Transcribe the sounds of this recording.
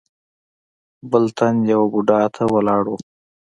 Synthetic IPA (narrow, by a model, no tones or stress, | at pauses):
bəlt̪ʰanjawabuɖɑt̪ʰawəlɑːɽo